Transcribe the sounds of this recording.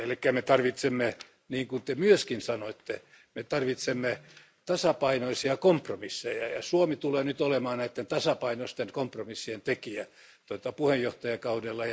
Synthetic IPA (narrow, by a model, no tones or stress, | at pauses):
elikːæmet̪ɑrʋit̪semːe | niːŋkunt̪emyøskinsɑnoet̪ːe | met̪ɑrʋit̪semːe | t̪ɑsɑpɑinoisiɑkompromisːejɑjɑsuomit̪uleːnyt̪olemɑːnnæit̪ːent̪ɑsɑpɑinost̪enkompromisːient̪ekiæ | t̪ot̪ɑpuhejjoht̪ɑjɑkɑudelːɑjɑ